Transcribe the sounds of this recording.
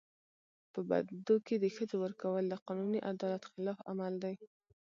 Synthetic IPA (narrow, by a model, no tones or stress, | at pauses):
pəba̰d̪d̪oked̪əxəd͡zowəɾkawəld̪əqɑnuniʔad̪ɑlat̪xɪlɑfa̰mald̪aj